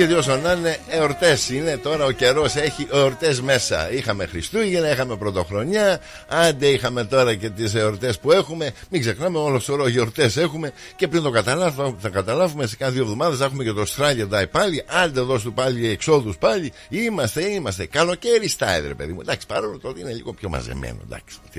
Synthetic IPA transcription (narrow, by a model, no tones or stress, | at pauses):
ɐt̪io̞s̬ɐnɐneeoɾt̪e̞sine̞t̪o̞ɾɐoce̞ɾo̞se̞çiʔeoɾt̪e̞zme̞sɐ̰ixɐme̞xɾist̪uʝinɐixɐme̞pɾo̞t̪o̞xɾo̞ɲɐ | ɐnd̪eixɐme̞t̪o̞ɾɐce̞t̪iseoɾt̪e̞spue̞xume̞miɡze̞xnɐmeolosoɾɐʝoɾt̪e̞se̞xume̞ | ce̞pɾint̪o̞kɐt̪ɐlɐθɐkɐt̪ɐlɐvumese̥kɐðiovðo̞mɐðesexumecet̪o̞st̪ɾɐʎed̪ɐipɐliʔɐnd̪eðo̞s̬t̪upɐliekso̞ðuspɐʎi | imɐst̪e̞imɐst̪e̞kɐlo̞ce̞ɾist̪ɐ̰ḛɾepe̞̰ðimud̪ɐksi̥pɐɾolot̪ot̪eine̞ʎḭɣo̞pço̞mɐ̰zḛmḛno̰d̪ɐ̰ks